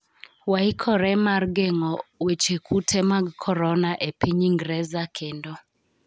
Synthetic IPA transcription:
waikʰɔɾɛmarɡeŋɔwet͡ʃekutʰɛmaɡkʰɔɾɔnaʔepiɲiŋɡɾɛzakʰendɔ

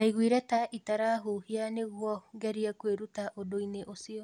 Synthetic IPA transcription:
aiɣwiɾɛtaʔitaɾaɦuhianeɣwɔŋɡɛɾiakweɾutaʔodoineʔosiɔ

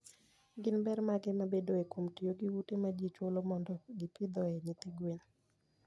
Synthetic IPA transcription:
ɡɪnbɛɾmaɡɛmabedoekomtijoɡiwutemad͡ʒit͡ʃolomɔndɔɡɪpɪd̪ɔɛnɪt̪iɡwen

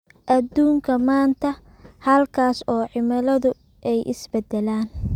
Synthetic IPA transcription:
ʔɐd̪uːŋkʰɐmaːnt̪ʰɐ | hɐlkʰaːsɔːʕɪmɐlɐðʊ | ʔɛjʔɪ̰sbɛd̪ɛlaːn

